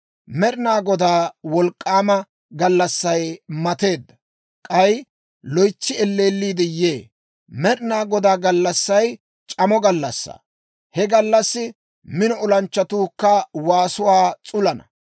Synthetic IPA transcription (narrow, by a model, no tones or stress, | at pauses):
mɛɾɪnaːɡɔd̪aːwɔlkʼːaːmɐ | ɡɐlːɐsːɐjmɐt̪e̞ːd̪ːɐ | kʼɐj | lɔjt͡ʃːɪɛlːe̞ːlːiːd̪ɛjeː | mɛɾɪnaːɡɔd̪aːɡɐlːɐsːɐj | t͡ʃʼɐmɔɡɐlːɐsːa̰ː | hɛɡɐlːɐsːɪ | mɪnɔɔlɐnt͡ʃːɐt̪uːkːɐwaːsʊwaːt͡sʼʊlɐnɐ̰